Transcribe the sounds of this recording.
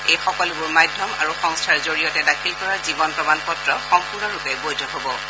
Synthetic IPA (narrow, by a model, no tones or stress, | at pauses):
ejxɔkɔlebʊɹmajdʱːɔma̰ɹuxɔŋstʰaɹzoɹijɔtɛdakʰilkɔɹazibɔnpɹɔmanpɔtɹɔxɔŋpʰunɔɹupɛbojdʱɔɦobɔ